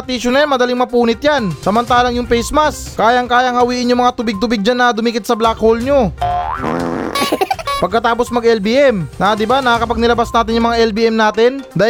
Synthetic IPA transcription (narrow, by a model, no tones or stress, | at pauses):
t̪iːʃʊnɐjanmɐd̪ɐlɪŋmɐpuːnɪt̪̚jansɐmɐnt̪aːlɐŋjʊŋpɛjsmɐs | kaːjɐŋkaːjɐŋhɐwiːʔɪnjʊŋmɐŋat̪ʊbɪɡ̚t̪ʊbɪɡ̚d͡ʒanːɐd̪ʊmiːkɪt̪sɐblakholɲo | pɐɡ̚kɐt̪aːp̬osmɐɡʔɛlbiːʔɛmnɐd̪ɪbanɐakɐpaɡ̚nɪlɐbasnaːt̪ɪnjʊŋmɐŋaʔɛlbiːʔɛmnaːt̪ɪnd̪aː